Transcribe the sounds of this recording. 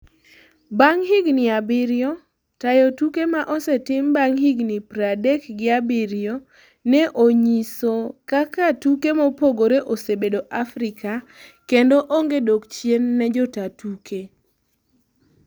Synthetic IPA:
baŋɦɪɡnɪabɪɾjɔ | tajotukemaʔɔsɛtɪmbaŋhiɡnɪpɾadɛkɡɪabɪɾjo | nɛʔoɲisokakatukemɔpoɡoɾeʔosebedoʔafɾɪkakendoʔoŋɡedokt͡ʃjenːɛd͡ʒɔtatuke

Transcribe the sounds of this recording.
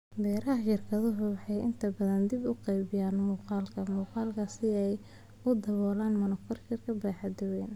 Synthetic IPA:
bɛːɾɐɦɐʃɪrkʰɐðʊɦʊwɑħɑjɪ̰nt̪ʰɐbɐðɐnd̪ibʊqɛjbɪjaːnmuːqɑːlkʰɐmuːqɑːlkʰɐsɪɛj | ʊd̪ɐβɔːlaːnmɐnɔkɐrt͡ʃɪrkʰɐbaːħɑd̪ʊwɛːn

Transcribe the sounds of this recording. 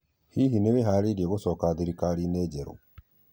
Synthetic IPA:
hiɦineβeɦaɾiɾieɣosɔkaðiɾikalinɛɟɛɾo̰

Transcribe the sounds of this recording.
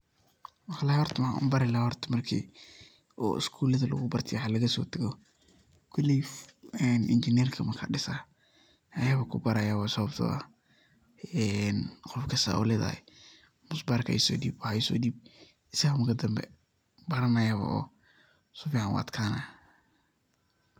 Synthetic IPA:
wɑħlaːwɔrt̪ʰɐmħa̰ʔʊ̰mbɐɾɪlawɔrt̪ʰɐ̥mɐrkʰḭː | ɔɪ̰skʰuːlɐðɐlɐ̰ɣʊbɐrt̪ʰɪaħalɐɣɐsɔ̰ːt̪ʰɐɣɔ | kʰʊliɛnʔɪ̰nt͡ʃɪnɛrkʰɐmɐkʰɐ̰ɖɪsa | ʔɐjɐβɐkʰʊbɐɾɐjawasɔβɐbt̪ʰɔ̰a̰ | ɛnqɔfkʰɐst̪a̰ɔ̰lɛːða̰hɛ̰ | mʊsbarkʰɐ̰ʔḭsɔ̰ːd̪iːbwɑħaɪsɔ̰ːd̪iːb̚ | ɪsɐɣɐmɐkʰɐd̪ɐmbɛ̰ | bɐɾɐmɐjaβɐ̰ʔɔ̰ː | sʊfiːʕɑnwa̰ːt̪kʰaːna

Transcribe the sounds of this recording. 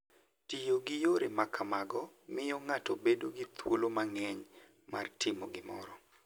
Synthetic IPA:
tijoɡɪjoɾemakʰamaɡɔmɪjɔŋatobedoɡit̪wolomaŋɛɲ | ma̰rtʰɪmoɡɪmɔ̰ɾɔ

